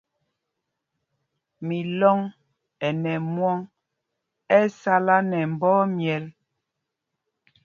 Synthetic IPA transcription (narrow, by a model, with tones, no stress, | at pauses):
mi˨lɔ˦ŋ | ɛ˨nɛ˨mwɔ˦ŋ | ɛ˦sa˦la˦nɛ˨m̩˨bɔː˦mjɛ˨l